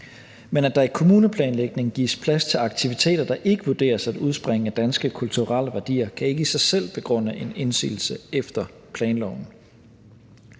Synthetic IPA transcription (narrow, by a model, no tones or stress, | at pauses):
menæd̥ɑ̈ikʰo̝muːnəpʰlɛːnleɡ̥̚ne̝ŋɡ̥ḭːspʰlæst͡sʰe̝lɑ̈ɡ̥t͡sʰiʋit͡sʰe̝̰ːd̥ɐd̥ɑ̈ʔe̝ɡ̥əʋuɐd̥e̝̰ːɐsæd̥uð̞ˠsb̥ʁeŋəæd̥ænsɡ̥əkʰult͡sʰuʁal̰əʋæɐd̥ḭːɐkʰæe̝ɡ̥əisɑ̈ɪsel̰b̥e̝ɡ̥ʁɔ̽n̰əʔe̝ne̝nsy̰ːl̩səefd̥ɐ | pʰlɛːnlɒʊn̩